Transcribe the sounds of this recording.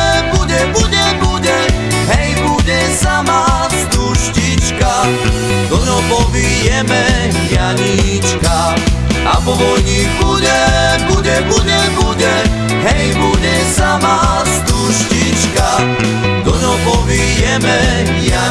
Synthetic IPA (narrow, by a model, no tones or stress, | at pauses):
buɟɛbuɟɛbuɟɛ | ɦɛjbuɟɛsamast̪uʃcit͡ʃka | d̪ɔɲɔpɔʋijɛmɛ | jaɲit͡ʃka | apɔʋɔjɲiɡbuɟɛbuɟɛbuɟɛbuɟɛ | ɦɛjbuɟɛsama | st̪uʃcit͡ʃka | d̪ɔɲɔpɔʋijɛmɛ | ja